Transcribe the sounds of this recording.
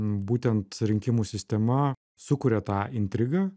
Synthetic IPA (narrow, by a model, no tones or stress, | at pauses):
buːt̪ʲɛnt̪ɾʲɪŋʲkʲɪmuːsʲɪsʲt̪ʲɛmɐ | sʊkʊɾʲɛt̪ɑːɪnʲt̪ʲɾʲɪɡɑː